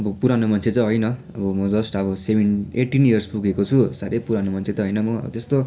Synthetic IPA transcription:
ʌbʌpuɾanomʌnt͡sʰet͡sʌ̃ɦʌjnʌ | ʌbʌmʌd͡zʌsʈʌbʌsebʱeneʈinijʌrspuɡekot͡sʰusaɾejpuɾanomʌnt͡sʰet̪ʌɦʌjnʌmʌ̰t̪est̪o

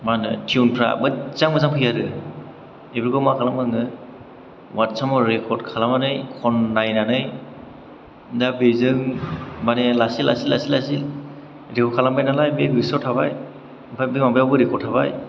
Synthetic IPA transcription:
manɯtʰiunpʰɾa̰bɯt͡ʃaŋmɯzampʰɯjaɾɯ | ebɯɾkɔmakʰalamɯŋɯ | watsamɔɹekʰɔdkʰalamanɯjkʰɔnːajnanɯj | dabezɯŋmanelasila̰silasilasil | ɾekʰɔkʰalambajnalajbeɾisɔtʰabaj | pʰabɯmabajawbɯɾekʰɔɾtʰaβaj

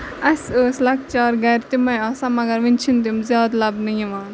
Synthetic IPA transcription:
ɐsəslɐk̚t͡ʃaːɾɡɐjɾt̪imɐjaːsɐmɐɡɐɾʋint͡ʃʰint̪̬imzjaːd̪lɐbnijiʋaːn

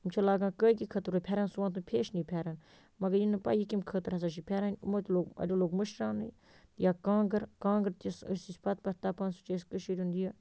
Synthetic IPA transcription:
umt͡ʃʰɐlaːɡãːkəːkikʰət̪ɾopʲʰeːɾaːnsuʋãːt̪̬upʰeːʃnipʲʰaːɾaːn | mɐɡɐɾjinɨpa̰ːjikimkʰəːt̪ɨɾɐs̬aːʃ̬ipʲʰeːɾaːn̰ʲmoːt̪ʲloːɡɐ̰dʲoloːɡmɨʃɾaːnɨj | jaːkaːɡəɾkãːŋɡəɾt̪isə̰sisʲpɐt̪̚pɐt̪aːpaːnsu̥t͡ʃeːskəʃiːɾʲund̪ijaː

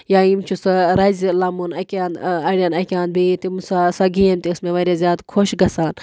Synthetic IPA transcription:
jaːimt͡ʃʰusɨɾajzʲilaːmunɐkʲaːnd̪ɐɾʲjaːnɐkʲãːnd̪̚bit̪imusasɐɡiemt̪iɨsmẽʋɐɾʲazʲjaːd̪kʰoʃɡɐsaːn

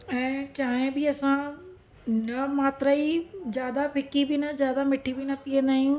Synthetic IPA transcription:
ɛ̃ːt͡ɕaːɦɪ̃bɪɐsã | nɐmaːt̪ɾaid͡ʑjaːd̪apʰɪkibɪnɐzjaːd̪amɪʈʰibɪnɐpiːə̃nd̪aːɦijũ

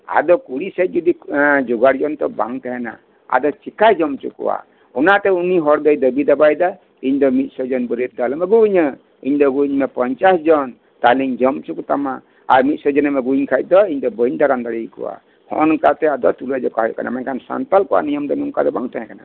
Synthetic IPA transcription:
a̰d̪ɔkuɽisɛt̚d͡ʒɔd̪id͡ʒuɡaɾd͡ʒɔnt̪ɔbaŋt̪ɛɦɛna̰ | a̰d̪ɔt͡ʃikajd͡ʒɔmt͡ʃṵkɔ̰wa̰ | ɔnat̪ɛuniɦɔɾd̪əjd̪əbid̪abajd̪a | iɲd̪ɔmit̪̚ˀsɔd͡ʒɔnbəɾit̪̚d̪alɔmɛɡuɲə | iɲd̪ɔɡuɲmɛpɔɲt͡ʃasd͡ʒɔn | t̪aliɲd͡ʒɔmt͡ʃukut̪ama | aɾmit̪̚sɔd͡ʒɔnɛmɛɡuɲkʰajc̚d̪ɔiɲd̪ɔbəɲd̪aɾand̪aɽijkɔ̰wa̰ | hɔ̰nkat̪ɛad̪ɔt̪uləd͡ʒɔkaɦɔjka̰na̰mɛnkʰansa̰nt̪alkɔwa̰nijɔmd̪ɔnuŋkad̪ɔbaŋt̪ɛɦɛ̃kana

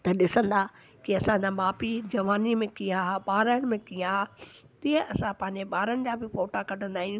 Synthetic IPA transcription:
t̪ɐɗɪsə̃nd̪a | kiɐsãd͡ʑaːmaːpid͡ʑɐʋaːnimẽkijãɓaːɾaɽ̃ɪ̆mẽkijã | t̪iɦə̃ʔɐsãpɐ̃ɦɪ̃ɲd͡ʑeɓaːɾəɽɪ̆d͡ʑaːbɪfoːʈakɐʈə̃nd̪aːɦĩũ

